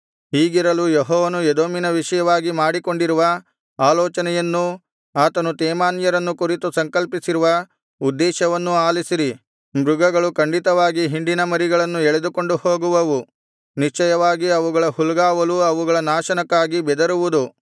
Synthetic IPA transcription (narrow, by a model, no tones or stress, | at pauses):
ɦiːɡiɾɐlujeɦɔːʋɐnued̪oːminɐʋiʂɐjɐʋaːɡimaːɽiko̞ɳɖiɾuʋɐ | aːlɔːt͡ʃɐnɛjɐnːu | aːt̪ɐnut̪ɛːmaːnjɐɾɐnːukuɾit̪usɐŋkɐlpisiɾuʋɐ | ud̪ːɛːʃɐʋɐnːuaːlisiɾi | mɾuɡɐɡɐɭukɐɳɖit̪ɐʋaːɡiɦiɳɖinɐmɐɾiɡɐɭɐnːuɛɭed̪uko̞ɳɖuho̞ːɡuʋɐʋu | niʂt͡ʃɐjɐʋaːɡiɐʋuɡɐɭɐhulɡaːʋɐluɐʋuɡɐɭɐnaːʃɐnɐkːaːɡibɛd̪ɐɾuʋud̪u